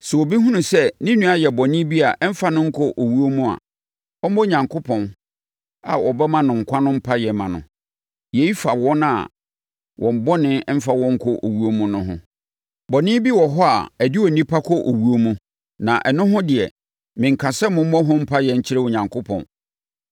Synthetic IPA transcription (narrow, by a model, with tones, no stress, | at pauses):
sɛ˨wo˨bi˦ɦũ˦nʊ̃˨sɛ˦nĩ˦nũ˦a˨jɛ˨bɔ˨nɪ̃˦bi˦a˨ʔɛ˦m̩˦fa˦nʊ̃˦ŋ̩˦kʰɔ˦ʔo˨wu˦o˦mũ˦a̰˨ | ɔ˦m˦ɔ˦˨ɲã˨ŋkʰo˦pʰɔ̃˨n | a̰˨ʔɔ˨bɛ˦mã˦nʊ̃˨ŋ̩˨kʷʰã˦nʊ̃˦m̩˦pʰa˦jɛ˨mã˨nʊ̰̃˨ | je˨i˦fa˨wɔ˦na̰˨ | wʔɔ̃˨m̩˨bɔ˦nɪ̃˦m̩˦fa˨wɔ̃˦ŋ̩˦kʰɔ˦ʔo˨wu˦o˦mũ˦nʊ̃˦ɦʊ̰̃˦ | bɔ˨nɪ̃˦bi˦wɔ˨ɦɔ˦a̰˨æ˨di˦wɔ˨nĩ˦pʰa˦kʰɔ˦ʔo˨wu˦o˦mũ˦ | nã˨ʔɛ˨nʊ̃˦ɦʊ̃˦dɪ˨ɛ˨ | mɪ̃˨ŋ̩˨kʰa˨sɛ˦mʊ̃˨˦m̩˦ɔ˦ɦʊ̃˦m̩˦pʰa˦jɛ˨ɲ̩˦t͡ɕʰɪ˦ɾɛ˦wʊ˨ɲã˨ŋkʰʊ˦pʰɔ̰̃˨n